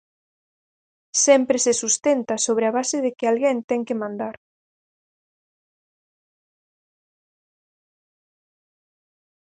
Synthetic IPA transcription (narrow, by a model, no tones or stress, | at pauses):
sɛmpɾesesust̪ent̪asoβ̞ɾeaβasɪðɪkɪalɣent̪ɛŋkɪmãnd̪aɾ